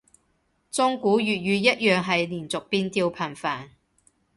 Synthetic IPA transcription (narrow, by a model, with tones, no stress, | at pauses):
t͡sʊ˥ŋkuː˨˥ɥyː˨t̚jyː˨˧jɐ˥t̚jœː˨ŋɦɐ˨jliː˨˩nt͡sʊ˨k̚piː˧nt̪iː˧wpʰɐ˨˩nfaː˨˩n